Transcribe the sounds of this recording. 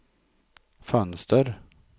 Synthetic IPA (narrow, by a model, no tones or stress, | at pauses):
fœnst̪əɾ